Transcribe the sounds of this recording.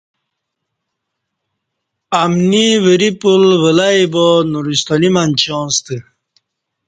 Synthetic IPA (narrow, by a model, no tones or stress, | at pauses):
amniʋəɾipulʋəlaibɔnuɾist̪ɔnimant͡ɕõːnst̪i